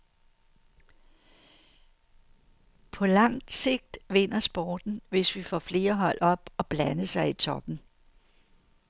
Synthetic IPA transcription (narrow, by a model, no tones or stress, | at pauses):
pʰɒ̽lɑ̈ŋ̰d̥se̝ɡ̥̚d̥ʋe̝n̰ɐsb̥ɒːd̥n̩ʋe̝sʋifɒ̰fle̝ːɐɦɒ̽l̰ɒ̽b̥ɒ̽b̥lænəsɑ̈ɪit͡sʰɒ̽b̥n̩